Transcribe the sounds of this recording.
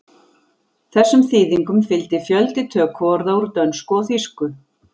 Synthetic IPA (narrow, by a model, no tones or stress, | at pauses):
θɛsːʏmθiːðiŋkʏmfɪlt̪ɪfjœlt̪ɪt̪ʰœːkʰvɔɾðauɾt̪œnskɔθiskʏ